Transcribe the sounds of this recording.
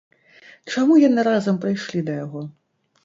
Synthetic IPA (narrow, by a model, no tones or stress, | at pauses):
t͡ʂamujɐnɨɾazɐmpɾɨjʂlʲid̪ɐjaɣɔ